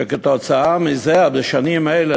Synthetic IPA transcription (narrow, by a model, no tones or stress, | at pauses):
eket̪ot͡saamizeabeʃanimele